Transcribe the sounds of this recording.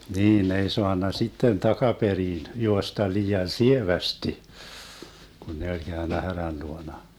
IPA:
niːn ne ei soɑnːɑ sitːen tɑkɑperiːn juostɑ liːɑn sieʋæsti ɡ̊un ne olʲ ɡ̊æønːæ hæræn luonɑ

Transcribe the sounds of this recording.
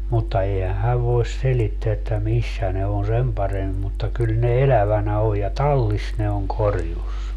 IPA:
mutːɑ eihæ hæʋ ʋoes selitːeæ etːæ misːæ ne on sem pɑremːi mutːɑ kyl ne elæʋænæ oj jɑ tɑlːis ne oŋ korjus

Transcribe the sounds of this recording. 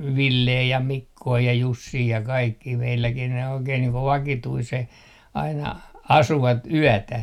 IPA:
ʋilːeː jɑ mikːoː jɑ jusːiː jɑ kɑikːiː meilːækin ne oikeːn niːŋ ko ʋɑkituiseh ɑinɑ ɑsuʋɑt yætæ

